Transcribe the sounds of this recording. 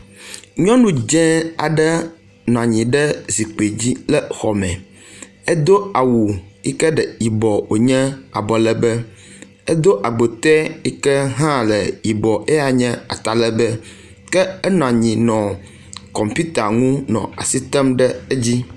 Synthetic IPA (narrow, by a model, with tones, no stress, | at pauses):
ɲɔ̃˦nũ˦d͡ʒɛ̃˦a̰˨ɖɛ˦ | nɔ̃˨a˨ɲĩ˨ɖɛ˦zi˨k͡pe˨d͡ʑi˦lɛ˦xɔ˨mɛ̃˨ | ɛ˦d̪o˦a˨wu˨i˦kɛ˦ɖɛ˨i˨bɔ˨wʔo˨ɲɛ̃˦a˨bɔ˨lɛ˦bɛ˦ | ɛ˦d̪o˦ʔa˨ɡ͡bo˨t̪ɛ˦i˦kɛ˦ɦã˦lɛ˨i˨bɔ˨ʔe˦a˨ɲɛ̃˦a̰˨t̪a˨lɛ˦bɛ˦ | kɛ˦ɛ˦nɔ̃˨a˨ɲĩ˨nɔ̃˨ | kɔ˨mpi˦t̪a˨ŋũ˦nɔ̰̃˨a̰˨si˦t̪ɛ˦mɖɛ˦e˦d͡ʑi˦